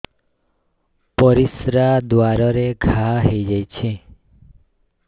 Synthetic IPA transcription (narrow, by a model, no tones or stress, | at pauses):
pɔɾisɾad̪waɾɔɾeɡʱaɦejd͡ʒajt͡ʃʰi